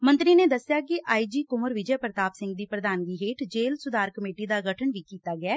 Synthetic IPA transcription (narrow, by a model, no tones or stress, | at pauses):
mə̃nt̪ɾiːneːd̪əsɪjaːkɪʔaːiːd͡ʒiːkʊməɾʋɪd͡ʒɛːpɾət̪aːpsɪ̃ŋɡd̪iːpɾəd̪aːnɡiːɦeːʈd͡ʒeːlsʊd̪aːɾkəmeːʈiːd̪aːɡəʈʰənʋiːkiːt̪aːɡɪɛː